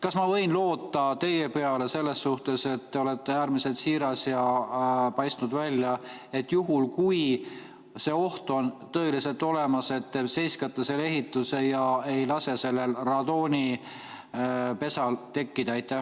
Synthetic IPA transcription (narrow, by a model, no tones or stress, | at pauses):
kɑsmɑvɤ̞jnlo̞ːt̪ːɑt̪e̞je̞pe̞ɑle̞se̞lːe̞sːuht̪e̞se̞t̪ːe̞o̞le̞t̪ːe̞æːɾmise̞lt̪siːɾɑsjɑpɑjst̪nud̪vælʲjɑ | e̞t̪ːˑjuɦulkuj | se̞o̞ht̪o̞nt̪ɤ̞e̞lise̞lt̪ˑo̞le̞mɑse̞t̪ːse̞jskɑt̪ːˑɑse̞le̞ɦit̪ːˑuse̞jɑe̞jlɑse̞se̞lːe̞lrɑd̪o̞ːnʲi | pe̞sɑlt̪e̞kːid̪̥ɑɑjt̪ːˑæh